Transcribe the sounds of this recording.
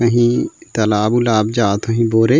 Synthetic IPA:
kɐɦĩt̪ɐlaːbulaːbd͡ʒaːt̪ʰɐɦĩboːɾe

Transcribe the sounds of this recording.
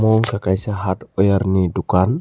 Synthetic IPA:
mɔŋkakajsaɦatɔjaɾnidukan

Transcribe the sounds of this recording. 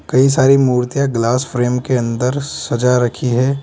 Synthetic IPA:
kɐisaːɾimuːɾt̪ijaɡlaːsfɾeːmkeɐ̃nd̪əɾsɐd͡ʒaɾɐkʰiɦɛː

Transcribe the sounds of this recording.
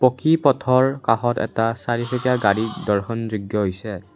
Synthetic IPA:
pɔkipɔtʰɔɹkaxɔtɛ̰tasaɹisɔkijaɡaɹidɔɹxʰɔnzuɡjɔɦojsɛ

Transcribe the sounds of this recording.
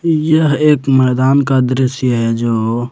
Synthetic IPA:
jəɦekmɛːd̪aːnkad̪ɾɪsjəɦɛd͡ʒoː

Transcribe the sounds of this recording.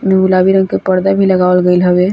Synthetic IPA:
meulabiɾə̃ŋɡkepəɾd̪abʱiləɡaəlɡəlɦəbe

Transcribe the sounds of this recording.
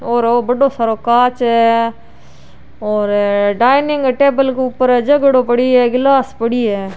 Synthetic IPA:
oːɾoːbɐɖõːsaːɾoːkaːt͡ʃɦɛː | ɔːɾɖaːɪnɪ̃ŋɡʈeːbəlkeʊpːəɾɛːd͡ʒɐɡəɽoːpɐɽiɛːɡɪlaːspəɽiɛː

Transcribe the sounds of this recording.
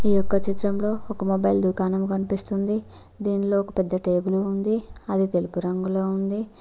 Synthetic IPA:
iːjɔkːɐt͡ʃit̪ɾɐmlo̞ːɔkɐmobɐjld̪ukaːnɐmukɐnipist̪und̪i | d̪iːnilo̞ːɔkɐpɛd̪ːɐʈe̞ːbuluːnd̪iɐd̪it̪e̞lupuɾɐŋɡuloːund̪i

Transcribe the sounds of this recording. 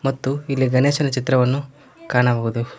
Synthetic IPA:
mɐt̪ːuilːiɡɐneːʃɐnɐt͡ʃit̪ɾɐʋɐnːu | kaːɳɐʋoːɡud̪u

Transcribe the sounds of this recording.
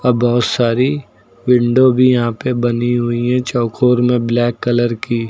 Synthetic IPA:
ɐbɔːt̪saːɾi | wɪ̃ɳɖobʱijɐɦãpebɐniɦʊiɦɛ̃t͡ʃɔːkʰoːɾmẽblɛːkːɐləɾkiː

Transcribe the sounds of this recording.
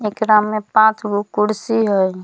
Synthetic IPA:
ekɾamːepãt͡ʃʰɡukuɽsiɦoj

